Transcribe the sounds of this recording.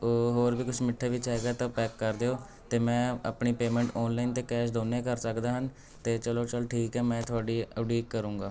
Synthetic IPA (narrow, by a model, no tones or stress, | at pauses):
oːɦoːɾbiːkʊt͡ʃʰmɪʈʰːeːʋɪt͡ʃɛːɡaːt̪ãːpɛːkːəɾd̪eːoː | t̪eːmɛ̃ːa̰ːpɳiːpeːmɛ̃ːɳʈɔːnlaːint̪eːkɛːʃ̬d̪oːneːkəɾsəkd̪aːɦən | t̪eːt͡ʃəloːt͡ʃəlʈʰiːkɛːmɛ̃ːt̪ʰʊaːɖiːəɽiːkːəɾũːŋɡaː